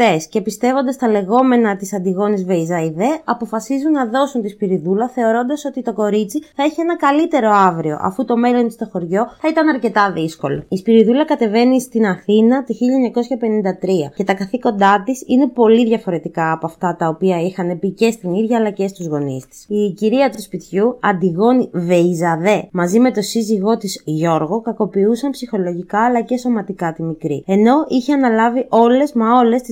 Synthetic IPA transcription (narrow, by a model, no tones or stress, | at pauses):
e̞sce̞pist̪e̞vo̞nd̪ɐst̪ɐle̞ɣo̞me̞nɐt̪isɐnd̪iɣo̞nizve̞izɐiðe̞ɐpo̞fɐsizunːɐðo̞sunt̪ispiɾiðulɐθe̞o̞ɾo̞nd̪ɐso̞t̪it̪o̞ko̞ɾit͡siθɐeçie̞nɐkɐlit̪e̞ɾo̞ɐvɾio̞̰ʔɐ̰fut̪o̞me̞lo̞nt̪i̥st̪o̞xo̞ɾʝo̞θɐit̪ɐnɐɾce̞t̪ɐðisko̞lo̞ispiɾiðulɐkɐt̪e̞ve̞nist̪inɐθinɐt̪içiʎɐeɲɐko̞sçɐpe̞nind̪ɐt̪ɾiɐ̰ce̞t̪ɐkɐθiko̞nd̪ɐt̪isine̞po̞liðʝɐfo̞ɾe̞t̪ikaːpoɐft̪ɐt̪ɐopiɐixɐne̞pice̞st̪iniðʝɐːlɐce̞st̪uzɣo̞nist̪i̥siciɾiɐt̪uspit̪çuɐnd̪iɣo̞nive̞izɐðe̞mɐzime̞t̪o̞siziɣo̞t̪izʝo̞ɾɣo̞kɐko̞piusɐmpsixo̞lo̞ʝikɐːlɐce̞so̞mɐt̪ikɐt̪imikɾḭe̞no̞içeɐnɐlɐviʔo̞le̞zmeo̞le̞st̪i